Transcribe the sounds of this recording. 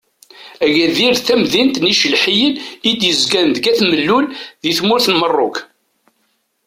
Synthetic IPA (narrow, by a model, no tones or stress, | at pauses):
æʝæðiɾθæmðint̪niʃəlħijənid̪jəzɡænd̪ɡæθməlːulðiθmʊɾθənmərˤːʊk